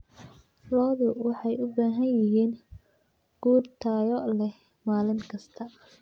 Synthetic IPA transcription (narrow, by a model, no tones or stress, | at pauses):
lɔːðʊwɑħɑjʊbaːɦɐjɪɦiːn | ɡ̥uːrt̪ʰaːjɔlɛ | maːlɪŋkʰɐst̪ʰɐ